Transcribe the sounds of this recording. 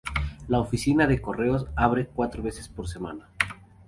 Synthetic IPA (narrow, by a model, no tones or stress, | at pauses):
laofisinaðe̞ko̞re̞o̞s̬aβɾekwat̪ɾoβe̞sespo̞ɾs̬e̞ma̰na